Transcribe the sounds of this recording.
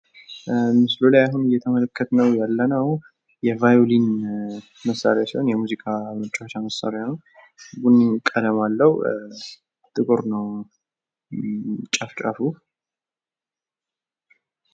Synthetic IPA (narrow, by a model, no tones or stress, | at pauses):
mɨslulajaɦunɨjːɛt̪ʰəmələkʰːət̪nəwjalːənəw | jɛvajolin | məsːa̰lejat͡ʃɪɨnjɛmuzikʰʼamət͡ʃʼːwot͡ʃːaməsə̰ɾjan | ɡunːikʼːəd̪əmalːəhu | t̪ʰʼɨkʼoɾnəw | t͡ʃʼaft͡ʃʼa̰fu